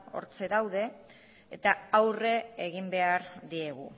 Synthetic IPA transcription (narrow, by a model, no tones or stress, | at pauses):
o̞̰ɾt͡se̞dawðe̞ | ḛt̪aawre̞eɣimbe̞aɾðie̞ɣu